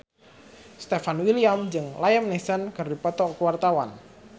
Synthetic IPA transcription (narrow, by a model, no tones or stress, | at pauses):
st̪efanwiliamd͡ʒɨŋlajəmnesənkɨrdipɔt̪ɔkwart̪awan